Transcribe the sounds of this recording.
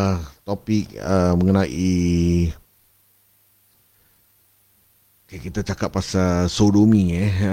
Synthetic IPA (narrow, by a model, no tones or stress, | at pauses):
t̪opɪk̚əməŋənaʔi | kakit̪at͡ʃakat̪̚ːasasodomiɲa